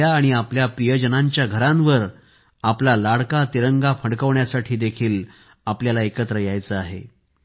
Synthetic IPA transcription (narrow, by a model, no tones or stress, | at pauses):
aːɽ̃iapljapɾijəd͡ʑənaɲt͡ɕjaɡʱəɾãnʋəɾ | aplalaɽkat̪iɾəŋɡapʰəɽkəʋɳjasaʈʰiːd̪ekʰiːl | apljalaekət̪ɾəjajt͡səaɦḛ